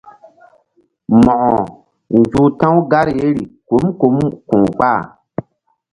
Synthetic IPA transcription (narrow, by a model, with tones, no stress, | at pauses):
mɔ˨ʔɔ˨ | n˨d͡ʒuː˨tã˦wɡa˦ɾje˦ɾi˨ko˨˦mko˨˦mkũ˨ɡ͡ba˦˨